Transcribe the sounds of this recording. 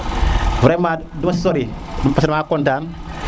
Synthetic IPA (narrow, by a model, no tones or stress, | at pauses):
vuɾemadumassoɾi | pasɾmaːkɔntaːn